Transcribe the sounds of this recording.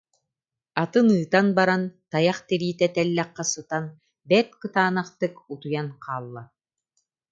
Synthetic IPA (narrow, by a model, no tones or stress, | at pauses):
at̪ɯnɯːt̪anbaɾant̪ajaχt̪iɾiːt̪ɛt̪ɛlːɛqːasɯt̪an | bɛt̪̚kɯt̪aːnaχt̪ɯkut̪ujanqʰaːlˠːa